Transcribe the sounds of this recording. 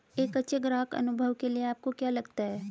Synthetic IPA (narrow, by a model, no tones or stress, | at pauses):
eːkɐtːʃʰeɡɾaːkɐ̰nʊbʱəʋkelieaːp̚kokjaːlɐɡt̪aɦɛː